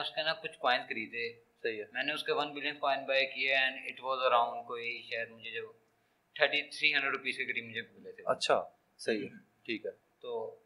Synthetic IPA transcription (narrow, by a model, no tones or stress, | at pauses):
ʊskenakʊt͡ʃʰkɔːɪ̃nd̪kɐɾiːd̪e | sɐɦiɛmɛ̃ːneʊskeʋɐ̃nbɪljə̃nkɔ̃ːɪ̃nbajkieɛ̃ɳɖɪʈʋɔːzəɾãʊ̃ɳɖ̚koːiʃeːəɾmʊd͡ʒʱed͡ʒɐb | t̪ʰəɾʈit̪ʰɾiːɦɐ̃ɳɖɾəɖɾʊpiːskekɐʈimʊd͡ʒʱebʊlet̪ʰeɐ̰tːʃʰa̰ː | sɐɦi | ʈʰiːkɛ | t̪oː